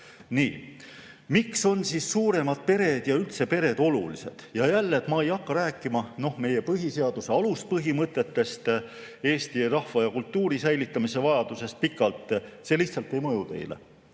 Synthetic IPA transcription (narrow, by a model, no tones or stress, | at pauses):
nḭː | mikso̞nsisːuːɾe̞mɑd̪̥̚pe̞ɾe̞d̪̥jɑylt̪se̞pe̞ɾe̞d̪̥o̞lṵlḭse̞̰d̪̥jɑjælːet̪mɑejɑkːɑɾæːkˑːimɑno̞hme̞je̞pɤɦise̞ɑd̪̥use̞ɑlus̚pɤɦimɤt̪ːˑe̞t̪ːe̞st̪ | e̞ːst̪iɾɑhvɑjɑkult̪ːuːɾisæjlit̪ːˑɑmise̞vɑjɑd̪̥use̞st̪̚pikːˑɑlt̪ˑse̞lihtsɑlt̪ːˑe̞jmɤjut̪e̞̰jlḛ